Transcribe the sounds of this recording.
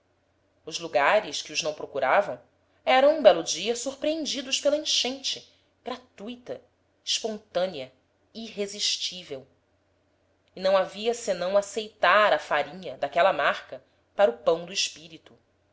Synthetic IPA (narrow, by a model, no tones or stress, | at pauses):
ʊzluɡaɾɪʃkɪʊznɐ̃w̃pɾokuɾavɐ̃w̃ | ɛɾɐ̃w̃ũbɛlʊd͡ʒiɐsuɾpɾiẽnd͡ʒid̪ʊʃpelɐĩʃẽnt͡ʃɪ | ɡ̥ɾat̪ujt̪ɐ | iʃpõnt̪ɐ̃niɐ | iɦeziʃt͡ʃivew | inɐ̃w̃aviɐsenɐ̃w̃asejt̪aɾɐfaɾĩɲɐd̪akɛlɐmaχkɐ | paɾʊpɐ̃w̃d̪ʊiʃpiɾit̪u